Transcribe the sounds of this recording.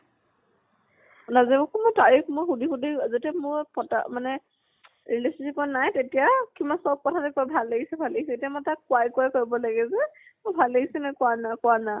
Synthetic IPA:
nazɛbakɔmojtaɹikmʊjxudixudiazetɛmʊɹpɔta̰manɛ | ɹilissikɔanajtetijakimasɔb̚kɔtʰatɛkɔabʱaleɡisɛbʱaleɡisɛetijamatakʊwajkʊajkoɹibɔlaɡɛzɛmʊbʱalːeɡisɛnɛkʊanakʊwana

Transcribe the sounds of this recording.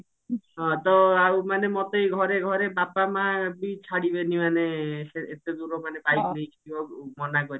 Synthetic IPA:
ɦɔ̃t̪ɔawmanemɔt̪ejɡʱɔɾeɡʱɔɾebapamabit͡ʃʰaɽibenimaneseet̪ed̪uɾomanebajknejkʰi̥t̪ibɔmɔnakɔɾi

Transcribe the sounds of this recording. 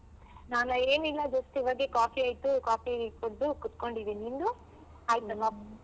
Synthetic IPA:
naːnɐeːnilːɐd͡ʒɐst̪iʋɐɡekaːfiaːjt̪ukaːpipɐd̪ukut̪koɳɖid̪eniːnd̪u | aːjt̪ɐmap

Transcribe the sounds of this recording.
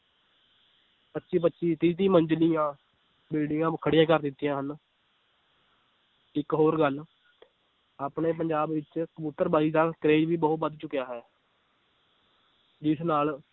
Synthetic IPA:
pətːʃiːp̬ətːʃiːt̪iːt̪̬ĩːməɲd͡ʒliːãː | bɪlɖɪŋɡãːkʰəɽɪjãːkəɾd̪ɪt̪ːijãːɦən | ɪkɦoːɾɡəl | aːpɳeːpəɲd͡ʒaːbʋɪt͡ʃkəbut̪ːəɾbaːɾiːd̪aːkəɾeːd͡ʒʋiːbəɦʊt̪̚bəd̪t͡ʃʊkːjaːɦɛː | d͡ʒɪsnaːl

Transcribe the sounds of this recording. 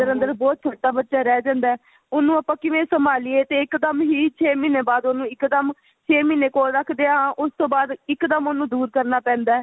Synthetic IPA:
əɾənd̪əɾbɔːt̪̚t͡ʃʰoːʈːaːbət̪ːʃaːɾɛːd͡ʒãːnd̪aː | ʊnũːapãːkɪʋẽːsəmaːlieːt̪eːɪkd̪əmɦiːt͡ʃʰeːmiːneːbaːd̪onũːɪkd̪əm | t͡ʃʰeːmiːneːkoːlɾəkʰd̪eːaãːʔʊst̪õːbaːd̪ɪkd̪əmonũːd̪uːɾkəɾnaːpɛ̃ːnd̪aːɛː

